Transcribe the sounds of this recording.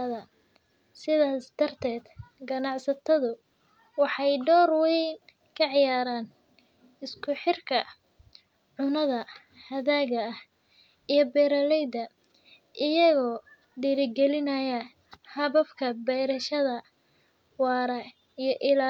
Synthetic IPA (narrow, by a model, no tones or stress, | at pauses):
ðɐ | sɪðaːsd̪̥ɐrt̪ʰɛːd̪ɡɐnɑʕsɐt̪ʰɐðʊ | wɑħɑjɖɔːrwɛjn | kʰɐʕɪjaːɾaːn | ɪskʰʊħɪrkʰɐ | ʕʊnɐðɐ | hɐðaːɣɐh | ijɞbɛːɾɐlɛjd̪ɐ | ʔɪjɐɣɔː | ɖiɾɪɡɛlɪnɐjɐ | hɐβɐbkʰɐbɛjɾɐʃɐðɐ | wɑːɾɐ | ijɞʔɪlaː